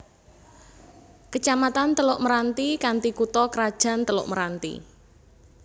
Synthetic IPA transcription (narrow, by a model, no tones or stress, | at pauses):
kət͡ʃamat̪ant̪əlʊʔməɾant̪ikant̪ikut̪ɔkəɾad̥ʒ̥a̤nt̪əlʊ̰ʔməɾant̪ḭ